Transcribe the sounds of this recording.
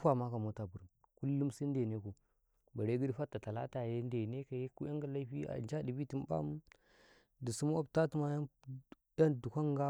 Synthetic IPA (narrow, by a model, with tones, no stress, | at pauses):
a˦ma˦ka˨mo˦ta˨bu˨ɾu˨n | ku˦lːu˦msi˦n˦de˨ne˦ko˨ | ba˨ɾe˦ɡi˦di˦fa˦tːa˨ta˨la̰˦ta˨je˦n˦de˨ne˦ka˨je˦ku˦a˦ŋɡa˨la˦ɸi˦a̰˨nd͡ʒa˦di˨bi˦ti˨m˦ba̰˦m˦ | di˨su˦m˦a˦bta˦tu˦ma˦ja˦ | da˦n˨du˨kʷa˦ŋɡa˦